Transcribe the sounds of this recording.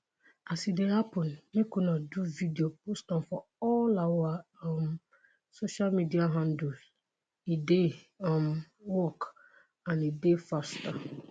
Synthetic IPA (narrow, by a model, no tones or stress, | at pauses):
asidehapʰə̃nmɪ̃kʰunãduvidiop̚ʰostãnfɔɔlawɔaam | soʃalmidiaɦãndud | ide | ãm | wɔk | ãnidefasta